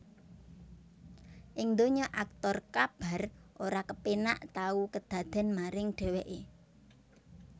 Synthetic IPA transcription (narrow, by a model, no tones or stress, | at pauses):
ʔɪŋnd̪oɲɔʔak̚t̪ɔrkab̥a̤rʔoɾakəpena̰ʔt̪aukəd̪̥ä̤d̪̥ɛ̤nmaɾɪŋɖ̥ɛ̤weʔe